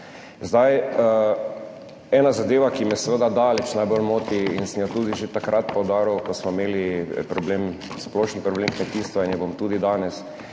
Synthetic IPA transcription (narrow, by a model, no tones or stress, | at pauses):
zd̪aj | ɛːnazad̪eːʋakimɛsɛʋəd̪ad̪aːlɛt͡ʃnajbolmoːt̪iinsəmjat̪uːd̪iʒet̪akɾat̪̚pɔwd̪aːɾuwkɔsmɔimeːlipɾɔblem | splɔʃənpɾɔbleːmkmɛt̪iːst̪ʋainjɛbomt̪ud̪id̪aːnɛs